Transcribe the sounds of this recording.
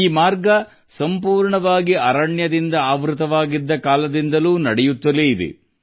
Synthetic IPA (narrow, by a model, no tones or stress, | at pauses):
iːmaːɾɡɐ | sɐmpuːɾɳɐʋaːɡiʔɐɾɐɳjɐd̪ind̪ɐaːʋɾɯt̪ɐʋaːɡid̪ːɐkaːlɐd̪ind̪ɐluːnɐɽɛjut̪ːɐleid̪ḛ